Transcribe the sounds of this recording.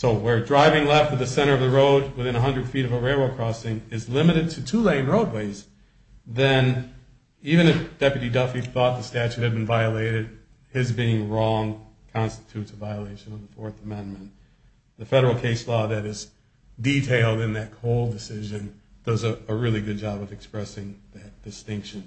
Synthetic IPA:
soʊwə˞dɹaɪvɪ̃ŋlɛftʌv̚ðɨsɛ̃ɾ̃ə˞ʌvðəɹoʊd̚wɨθɪ̃ñəɦʌ̃ndɹɨd̥fiɾʌvəɹeɪlˠwoʊkʰɹ̥ɔsɪ̃ŋɪzlɪ̃mɨɾɨd̚tʰɨtʰulẽɪ̃nɹoʊd̚weɪz | ðɨ̃n | ivɨ̃ñɨfd̥ɛpjɨɾidʌfiθɔt̪̚ðɨstæt͡ʃʉt̚hɨd̚bɨ̃n̩vaɪɨleɪɾɨd̚ | ɪzbiɪ̃ŋɹɔ̃ŋkʰɑ̃nstɨ̥tʰʉtʰɨvaɪəleɪʃɨ̃nʌvðəfɔɹθəmɛ̃nmɨ̃n | ðɨfɛɾə˞l̩ˠkʰeɪslɔðɨɾɪz | ditʰeɪlˠdɨ̃nðɨt̚kʰoʊlˠdɨsɪʒɨ̃nðoʊzɨəɹɪlˠiɡʊd̚d͡ʒɑbʌvɨkspɹɛsɪ̃ŋðɨt̚d̥ɨstɪ̃ŋkʃɨ̃n

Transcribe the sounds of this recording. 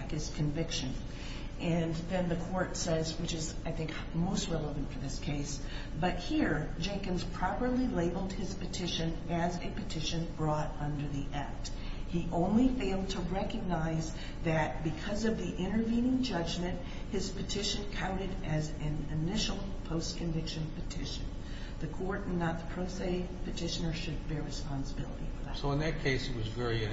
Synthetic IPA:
kɨz̥kʰɨ̃ɱvɪkʃɨ̃n | ʔɨ̃nðɨ̃nðɨkʰɔɹtsɛzwɨt͡ʃɨzaɪθɪ̃ŋk | moʊst̚ɹɛlˠəvɨ̃n̩tfə˞ðɪskʰeɪs | b̥ʌt̚hiɹd͡ʒẽɪkɨ̃nz̥pʰɹ̥ɑpə˞lileɪbl̩ˠd̚ɨz̥pɨtʰɪʃɨ̃nɨzɨpɨtʰɪʃɨ̃nbɹɔɾʌ̃ndə˞ðiʔæk̚t | hiʔõʊ̃nlifeɪlˠd̚tʰəɹɛkɨɡ̚naɪz | ðɨt̚b̥ɨkʰʌzʌvðiʔɪ̃ɾ̃ə˞vĩnɪ̃ŋd͡ʒʌd͡ʒmɨ̃nʔ̚ | hɨz̥pɨtʰɪʃɨ̃nkʰãʊ̃ñɨɾɨzɨ̃nɨnɪʃl̩ˠ | pʰoʊskʰɨ̃ɱvɪkʃɨ̃npɨtʰɪʃɨ̰̃n | ðɨkʰɔɹɾn̩ːət̪̚ðə̥pʰɹ̥oʊseɪ | pʰɨtʰɪʃɨ̃nə˞ʃɨd̚bɛɹɹɨspɑ̃nsəbɪ̰lˠə̰ɾḭfə̰˞ðæsoʊə̃nðɨt̚kʰeɪsɨt̚wʌzvɛɹi

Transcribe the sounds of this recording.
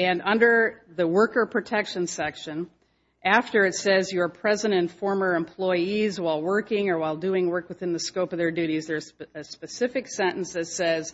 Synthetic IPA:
ɨ̃nʌ̃ndə˞ðɨwɜ˞kə˞pʰɹ̥ɨtʰɛkʃɨ̃nsɛkʃɨ̃n | ʔæftə˞ɨtsɛzjə˞pʰɹ̥ɛzɨ̃ñɨ̃nfɔɹmə˞ɨ̃mpʰl̥ɔɪizwaɪlˠwɜ˞kɪ̃ŋə˞waɪlˠdʉɪ̃ŋwɜ˞kwəθɪ̃nðɨskoʊpʌvðə˞dʉɾizðə˞ɨspɨsɪfɨksɛ̃ɾ̃ʔn̩sðɨtsɛz̥

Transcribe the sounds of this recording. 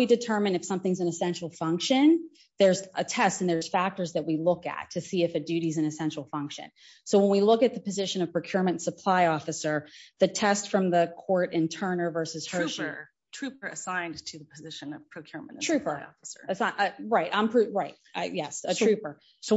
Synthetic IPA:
idɨtʰɜ̃˞mɨ̃nɨfsʌ̃mθɪ̃ŋzɨ̃nɨsɛ̃nʃl̩ˠfʌ̃ŋkʃɨ̃n | ðə˞z̥ətʰɛstɨ̃n̩ðə˞z̥fæk̚tə˞zðɨt̚wilʊkɨ̰tʰɨsiɨfɨdʉɾizɨ̃nɨsɛ̃nʃl̩ˠfʌ̃ŋkʃɨ̰̃n | soʊwə̃nwilʊkɨt̪̚ðɨpɨzɪʃɨ̃nʌv̥pʰɹ̥okʰj̥ʊɹmɨ̃ntsəpʰl̥aɪɔfɨsə˞ðɨtʰɛstfɹʌ̃mðɨkʰɔɹɾɪ̃ntʰɜ̃˞nə˞vɜ˞sɨz̥hɜʃ | tʰɹ̥ʉpə˞ɨsãɪ̃ntʰɨðəpʰɨzɪʃɨ̃nʌv̥pʰɹ̥okʰj̥ʊɹm̰̃n̩tʰɹ̥ʉpə˞ɪɔ̰fəsə̰˞ɨsʔʌɹaɪtã̰ɪ̃mpʰɹ̥ʉɹaɪt̚jɛsɨtʰɹ̥ʉpə˞ | soʊ

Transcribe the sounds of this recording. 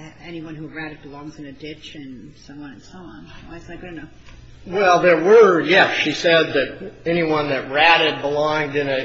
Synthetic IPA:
ɛniwʌ̃nhuɹæɾɨd̚bəlɔ̃ŋzɨ̃nɨdɪt͡ʃɨ̃nsʌ̃mwʌ̃nɨ̃nsoʊɑ̃nwaɪsnɨt̚ɡ̥ʌɾɨnoʊ | wɛlˠðə˞wə˞jɛsʃisɛd̪̚ðɨɾɛniwʌ̃nðɨt̚ɹæɾɨd̚bəlɔ̃ŋdɨ̃nɨ

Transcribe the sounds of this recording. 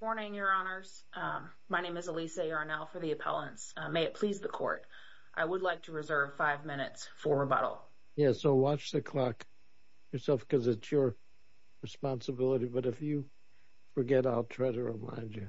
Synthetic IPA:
mɔɹnɪ̃ŋjə˞ɑnə˞z̥ | maɪnẽɪ̃mɨzəliseɑɹɨnɛlˠfə˞ðiɨpʰɛ̰lˠə̃nsmeɪɨt̚pʰl̥izðɨkʰɔ̰ɹɾ | ʔa̰ɪwədˡlaɪk̚tʰəɹɨzɜ˞v̥faɪvmɪ̃nɨ̰tsfə˞əbʌ̰ɾl̩ˠ | jæsoʊwɑt͡ʃðɨkʰl̥ɑk | jə˞sɛlˠfkʰʌzɨtsjə˞ | ɹɨspɑ̃nsəbɪlˠəɾibʌɾɨfjɨ | fə˞ɡɛɾaɪlˠtʰɹ̥aɪɾɨɹɪ̰mã̰ɪ̃nd͡ʒjɨ

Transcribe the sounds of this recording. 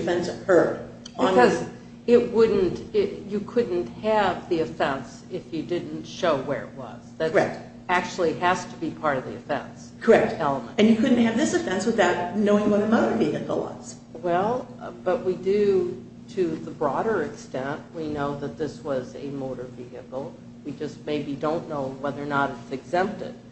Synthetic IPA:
dɨfɛ̃nshɜ˞d | nʌz | ɪt̚wʊdⁿn̩tɪjɨkʰʊdⁿn̩t̚hɨvðiɨfɛ̃ns | ɪfjɨdɪdⁿn̩tʃoʊwə̰˞ɨ̰t̚wʌ̰z̥ðɨɾɹɛ | æk̚t͡ʃul̩ˠihæz̥tʰəbipʰɑɹɾʌvðiɨfɛ̰̃ns | kʰə˞ɛk̚tɛlˠəmə̰̃nɨ̃njɨkʰʊdⁿn̩t̚hɨvðɪsɨfɛ̃nswɨðaʊt̚noʊɪ̃ŋwʌɾɨmoʊɾə˞viɨɨkl̩ˠwʌ̰z̥ | wɛlˠb̥ʌʔ̚widɨ | ɾʰɨðəbɹɔɾə˞ɨkstɛ̃nt̚winoʊðɨt̪̚ðɪswʌzɨ̰moʊɾə˞vihɨkl̩ˠ | wid͡ʒʌs̚meɪbidõʊ̃nːoʊwɛðə˞nəɾɨtsɨɡzɛ̃mp̚tɪ̰d̥̚

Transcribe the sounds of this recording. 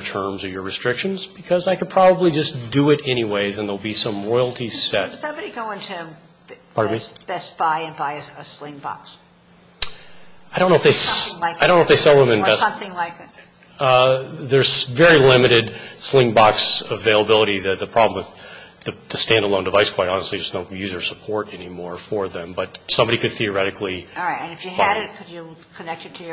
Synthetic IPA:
tʰɜ̃˞mzʌvjə˞ɹɨstɹ̥ɪkʃɨ̃nzb̥ɨkʰʌzaɪkɨd̚pʰɹ̥ɑbəblid͡ʒʌsd̥ɨɪɾɛñiweɪzɨ̃nðeɪlˠbisʌ̃mɹɔɪl̩ˠtʰisɛt̚ʌ̃bɾiɡoʊɪ̃ntʰʉ | pʰɑɹmib̥ɛsb̥aɪɨ̃nbaɪɨəslɪ̃ŋbɑ̰ks | aɪɾõʊ̃nʊəfðeɪaaɪɾõʊ̃noəfðeɪsɛlˠðə̃mɨ̃nbɛsmθɪ̃ŋlaɪkɨt̚ | ðə˞z̥vɛɹilɪ̃mɨɾɪdslɪ̃ŋbɑksəveɪlˠəbɪlˠəɾiðɨt̪̚ðɨpʰɹ̥ɑblə̃m̩wɨðɨðɨstæ̃ndəlˠõʊ̃ndəvaɪskʰw̥aɪɾɑnəstˡlid͡ʒʌsnõʊ̃jʉzə˞sə̥pʰɔɹɾɛnimɔɹfə˞ðɨ̃mbʌt̚sʌ̃mbɑɾikɨd̪̚θiə˞ɛɾɨkʰliɹaɪtɨ̃nɨfjɨbɾɨt̚kʰɨd͡ʒɨkʰɨnɛk̚tɨtʰɨjə

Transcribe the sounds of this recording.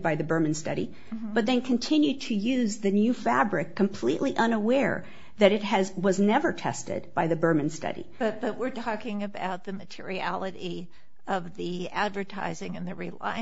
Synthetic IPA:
baɪðɨbɜ˞mɨ̃nstʌ̰ɾḭ | b̥ʌt̪̚ðɨ̃nkʰɨ̃ntʰɪ̃njʉd̚tʰɨjʉzðɨnjʉfæbɹɪkʰːɨ̃mpʰl̥iʔliʔʌ̃nəwɛɹ | ðɨɾɨt̚ɨzwʌznɛvə˞tʰɛ̰stɪ̰d̚b̥aɪðɨbɜ˞mɨ̃nstʌ̰ɾḭb̥ʌt̪̚ðɨt̚wɪɹtʰɔkɪ̃ŋɨba̰ʊt̪̚ðɨmɨtʰɪ̰ɹiælˠɨɾi | ʌvðiædvə˞tʰa̰ɪzɪ̃ŋɨ̃nðɨɹila̰ɪɨ̃

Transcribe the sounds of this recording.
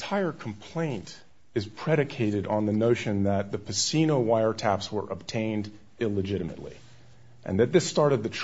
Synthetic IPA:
tʰaɪə˞kʰm̩pʰl̥ẽɪ̃nt | ɨz̥pʰɹ̥ɛɾɨkʰeɪɾɨɾn̩ðɨnoʊʃɨ̃nðɨt̪̚ðɨpʰɨsinoʊwaɪə˞tʰæpswə̰˞ʔə̰b̥̚tʰẽɪ̃nd | ɪlˠəd͡ʒɪɾɨmɨ̰tˡlḭ | ʔɨ̰̃nðɨt̪̚ðɪstɑɹɾɨd̪̚ðɨtʰ

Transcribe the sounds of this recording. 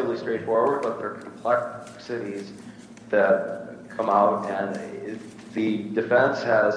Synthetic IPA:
lˠistɹ̥eɪtfɔɹwə˞d̚bʌt̪̚ðə˞kʰm̩pʰl̥ɛkksɨɾiz̥ | ðɨt̚kʰʌ̃maʊɾɨ̃n | ðɨdɨfɛ̃nshɨz

